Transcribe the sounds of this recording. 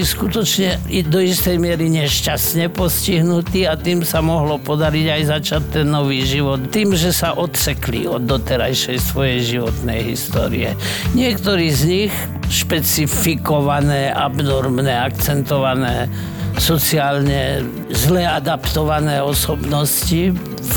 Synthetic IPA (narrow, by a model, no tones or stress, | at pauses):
iskut̪ɔt͡ʃɲɛd̪ɔist̪ɛjmɪɛɾiɲɛʃcasɲɛpɔsciɦnut̪iːat̪iːmsamɔɦlɔpɔd̪aɾiɟajzat͡ʃatt̪ːɛnːɔʋiːʒiʋɔt̪t̪iːmʒɛsaʔɔt̪sɛklḭɔd̪ːɔt̪ɛɾajʃɛjsʋɔjɛjʒiʋɔt̪nɛjɦist̪ɔ̰ːɾḭɛ̰ | ɲɪɛkt̪ɔɾiːzɲix | ʃpɛt͡sifikɔʋanɛːʔabnɔɾmnɛakt͡sɛnt̪ɔʋanɛː | sɔt͡siaːlɲɛ | zlɛad̪apt̪ɔʋanɛːɔsɔbnɔsci